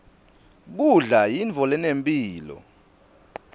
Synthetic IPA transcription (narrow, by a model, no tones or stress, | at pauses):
k̬uɮajiɱt͡fɔlɛnempʼiːlɔ̰